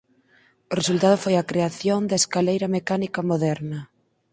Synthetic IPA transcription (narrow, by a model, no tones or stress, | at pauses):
ʊresult̪að̞ʊfojɐkɾeaθjoŋd̪aeskalejɾɐmekanikɐmoðɛɾnɐ